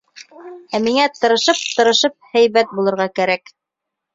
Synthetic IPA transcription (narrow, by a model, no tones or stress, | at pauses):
æmiŋæt̪ɤ̆ɾɤ̆ʃɤp̚t̪ɤ̆ɾɤ̆ʃɤp̚hæjβæt̪̚bulˠɤ̆ɾʁɑkæɾæk